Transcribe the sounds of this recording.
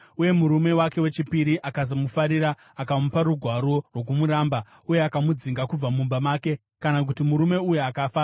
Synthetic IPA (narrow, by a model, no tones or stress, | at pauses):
uje̞muɾume̞wake̞we̞t͡ʃipiɾiʔakazomufaɾiɾa | akamupaɾuɡʱwaɾo̞rwo̞k̬umuɾamba | uje̞akamud͡ziŋɡakub͡vamumbamaːke̞ | kanak̬utimuɾume̞ujuakafa